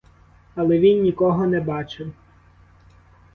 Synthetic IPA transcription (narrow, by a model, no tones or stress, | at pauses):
ɐlˠɛʋʲinːʲikɔɦɔnɛbɑt͡ʃɪw